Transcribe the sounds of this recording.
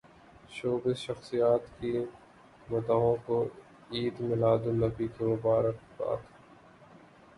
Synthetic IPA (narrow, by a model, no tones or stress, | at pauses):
ʃoːbɪzʃɐxsijaːt̪ki | mʊt̪aːɦõko | iːd̪mɪlaːd̪unɐbikemʊbaːɾəkba̰ːt̪ʰ